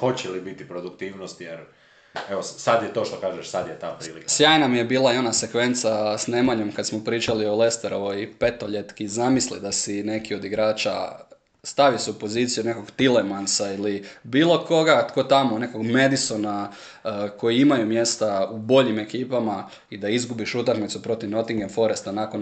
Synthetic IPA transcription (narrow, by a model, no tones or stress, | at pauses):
xo̞t͡ɕelibit̪ipɾod̪ukt̪iːʋnost̪jeɾ | eʋosad̪jet̪oːʃt̪okaːʒeʃsad̪jet̪aːpɾḭːlḭkssjaːjnamije̞biːlˠaio̞nase̞kʋe̞nt̪sasneːmaɲo̞mkad̪smopɾiːt͡ʃalio̞le̞st̪eɾoʋoipe̞t̪oʎet̪kizamislid̪asine̞kio̞d̪iɡɾaːt͡ʃa̰ | st̪aʋisɛupo̞ziːt̪sijune̞ko̞ɡt̪ile̞mansailibiːlˠo̞ko̞ɡat̪ko̞t̪amone̞ko̞ɡme̞d̪iso̞na | ko̞jiimajumje̞st̪aubo̞ʎime̞kiːpama | id̪aizɡubiʃut̪akmit̪supɾo̞t̪iʋno̞t̪iŋɡemfo̞ɾest̪anakon